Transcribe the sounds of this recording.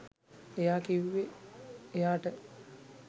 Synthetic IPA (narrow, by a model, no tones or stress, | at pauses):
ejaːkiʋiʋeː | jaːʈə